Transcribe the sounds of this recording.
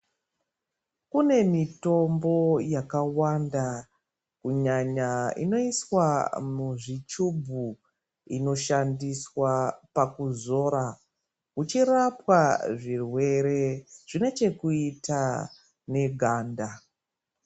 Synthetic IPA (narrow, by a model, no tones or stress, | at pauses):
kune̞mito̞mbo̞jakawanda | kuɲaɲaḭno̞iswamuʐit͡ʃubʱu | ino̞ʃandiswapakuzo̞ːɾa | ut͡ʃirapwaʐirwe̞ɾe̞ʐ̥ine̞t͡ʃe̞kuita | ne̞ɡʱaːnda